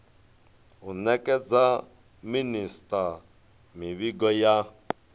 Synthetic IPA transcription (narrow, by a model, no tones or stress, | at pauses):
unɛkʼɛd͡za | ministʼa | miβiɡɔja